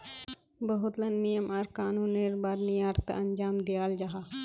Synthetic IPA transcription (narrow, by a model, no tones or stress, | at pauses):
bɐɦʊt̪lɐnːijəmaɾkaːnũːnːeːɾbaːd̪nijaːɾt̪ɐnd͡ʒaːmd̪ɪjaːld͡ʒaɦaː